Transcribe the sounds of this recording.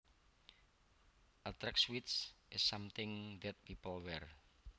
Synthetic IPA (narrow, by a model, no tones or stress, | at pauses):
ʔat̪ɾɛkswit̪sʔɪsːamt̪ɪŋðɛt̪̚pipəlwɛr